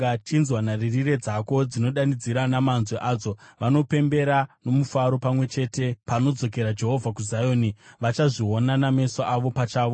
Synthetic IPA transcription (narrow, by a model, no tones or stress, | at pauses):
at͡ʃinzwanaririre̞d͡zako̞d͡zino̞ɗanid͡ziɾanamanzweʔaːd͡zo̞ʋano̞pe̞mbe̞ɾano̞mufaɾo̞pamwe̞t͡ʃe̞te̞pano̞d͡zo̞k̬e̞ɾad͡ʒe̞ɦo̞vʱakuzajoːniʋat͡ʃaʐio̞naname̞saʔaʋo̞pat͡ʃaːʋo